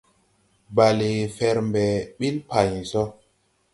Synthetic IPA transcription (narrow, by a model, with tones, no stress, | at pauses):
ba˨le˨fɛ˨ɾmbɛ˨ɓi˦lpa˨ɲsɔ˦